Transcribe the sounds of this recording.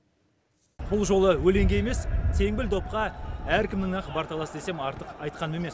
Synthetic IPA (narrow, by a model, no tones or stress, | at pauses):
b̥ʊlˠʒo̞lˠəwɵle̞ŋɡʲe̞e̞me̞st̪ʰe̞ŋbɪld̪o̞p̚qɑæɾkʲɪmnɪŋɑqbɑɾt̪ɑlˠɑsəd̪e̞se̞mɑɾt̪əqɑjt̪̚qʰɑnəme̞me̞s